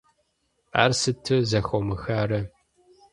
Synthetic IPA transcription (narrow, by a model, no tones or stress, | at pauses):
a̰ːrsɨtʰɨzɐxomɨxaːɾɐ